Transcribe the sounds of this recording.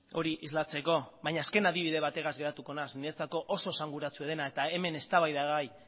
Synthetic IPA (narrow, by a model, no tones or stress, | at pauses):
o̞ɾiʔizlat͡se̞ko̞βajɲaːske̞naðiβ̞iðe̞βat̪e̞ɣazɡe̞ɾat̪uko̞nasniet͡sako̞ʔoso̞saŋɡuɾat͡sue̞ðe̞nae̞t̪aeme̞ne̞st̪aβajðaɣaj